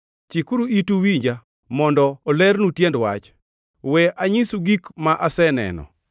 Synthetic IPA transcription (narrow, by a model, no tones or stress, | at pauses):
t͡ʃikuɾuituwiɲd͡ʒa | mɔndɔːlɛrnutjendwa̰t͡ʃ | wɛaɲisuɡikmaʔasɛnɛ̰nɔ̰